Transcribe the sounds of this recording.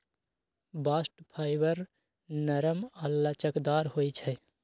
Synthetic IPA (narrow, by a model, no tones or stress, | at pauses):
baːsʈpʰaːɪbəɾ | nəɾəməlːət͡ʃəkd̪aːɾhojt͡ʃʰɛ